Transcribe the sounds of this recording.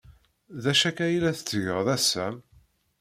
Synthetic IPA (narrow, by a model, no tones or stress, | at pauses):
ðæʃækæjlæθə̥t͡sːʝəʁðæsːæm